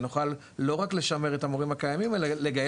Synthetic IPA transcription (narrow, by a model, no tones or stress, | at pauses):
nuχalː | o̞ʁakle̞ʃame̞ʁe̞tamoʁimakajamime̞lale̞ɡaj